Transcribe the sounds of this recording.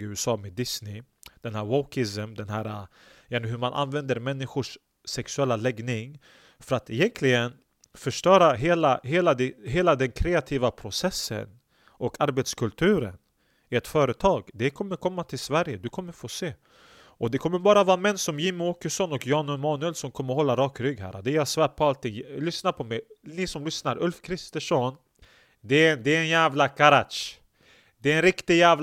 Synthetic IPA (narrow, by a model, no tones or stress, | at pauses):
ʉːɛsɑːmed̪ɪsnɪd̪̥ɛnhæːɾwɔkɪsəmd̪ɛnɦæːɾa | jɛnəɦɵɾmanʔa̰nːvɛnd̪əɾmɛnːɪɧʊʂː | ɛksɵɛlːalɛɡnɪŋ | fœɾat̪ɪjɛnkʰlɪɡən | fœʂʈœːɾaɦeːlaɦeːlad̪ɛɦeːlad̪ɛnkʰɾeːat̪ʰiːvapʰɾʊsɛsːə̰n | ʔɔkaɾbɛt̪skʰɵlt̪ʰʉ̟ːɾə̰n | ɪɛt̪fœːɾət̪ʰɑːɡd̪ɛkʰɔmːəɾkʰɔmːat̪ʰɪlsvæɾjəd̪ɵkʰɔmːəɾfoːseː | ʔɔd̪ɛkʰɔmːəɾbɑːɾavɑːmɛnːsɔmjɪmʊoːkəʂɔnɔkjɑːnʉmɑːnʉɛlsɔmkʰɔmːəɾɦɔlːaɾɑːkɾʏɡhæ̰ːɾa̰d̪ɛjɑsvæːʈ̚pʰɔalt̪ʰːɪŋlʏsnaɾpʰɔmɛjnɪsɔmlʏsnaɾʔɵlfkʰɾɪst̪əʂɔn | d̪ɛnd̪ɛɛnjæːvlakʰaɾat̪ʂ | d̪ɛɛnɾɪkt̪ɪɡjæːvl